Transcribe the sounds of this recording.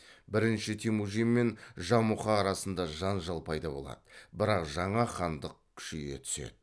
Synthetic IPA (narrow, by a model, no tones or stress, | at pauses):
bɪɾɪnʃɪt̪ʰemuʒimːe̞nʒɑmuχɑːɾɑsənd̪ɑʒɑnʒɑlˠpʰɑjd̪ɑbo̞̰lˠɑ̰d̪əbɪɾɑqʒɑɴɑχɑnd̪əq̚kʲʰʏ̥ʃiɡʲe̞̰t̪ʰʏ̥se̞̰d̪̥ɪ